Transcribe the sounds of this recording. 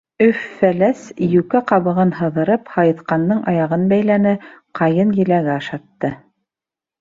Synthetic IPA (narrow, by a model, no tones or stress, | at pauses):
ɵfːælæsjʉkæqɑβɤ̆ʁɤnhɤ̆ðɤ̆ɾɤphɑjɤ̆θqɑnd̪ɤɴʔɑjɑʁɤnbæjlænɘqɑjɤnjɘ̆læɡæɑʃɑt̪ːɤ